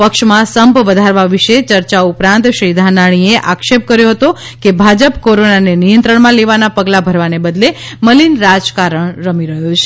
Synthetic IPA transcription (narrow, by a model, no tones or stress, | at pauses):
pəkʃmãsəmpʋəd̪ʱaɾʋaʋiʃet͡ʃəɾt͡ʃaupɾãnt̪ʃɾid̪ʱanaɽ̃ieʔakʃep̚kəɾjoɦət̪o | kebʱad͡ʒəpkoɾonanenijə̃nt̪ɾəɳmãleʋanapəɡlabʱəɾʋanebəd̪leməlinɾad͡ʒkaɾəɳɾəmiɾəɦjõt͡ʃʰe̥